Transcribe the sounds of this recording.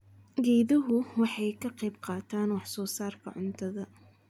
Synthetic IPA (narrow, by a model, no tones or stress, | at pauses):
ɡɛːðɐɦʊwɑħɑjkʰɐqɛjb̚qɑːt̪ʰaːnwɑħsɔːsaːrkʰɐ̰ʕʊnt̪ʰɐðɐ